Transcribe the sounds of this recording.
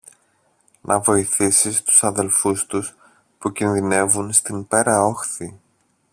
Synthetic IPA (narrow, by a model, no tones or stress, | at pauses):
nʔɐvo̞iθisist̪u̥sɐðe̞lfust̪us | pucinðine̞vunst̪impe̞ɾɐo̞xθi